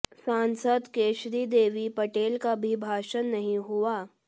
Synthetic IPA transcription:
sãːnsəd̪keːʃɾid̪eːʋipɐʈeːlkabʱibʱaːʃənːɐɦĩɦʊaː

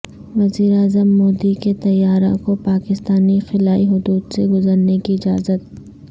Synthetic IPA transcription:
ʋɐziːɾaːzəmːoːd̪iket̪ɐjːaːɾõ̰kopaːkɪst̪aːnixɪlaːiɦʊd̪uːd̪seɡʊzəɾnekiɪd͡ʒa̰ːzət̪̚

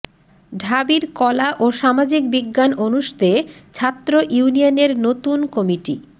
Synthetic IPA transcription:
ɖʱabiɾkɔlaʔoʃamad͡ʑik̚biɡːanonuʃt̪et͡ɕʰat̪ːɾoʔiunijoneɾnot̪unkɔmiʈḭ

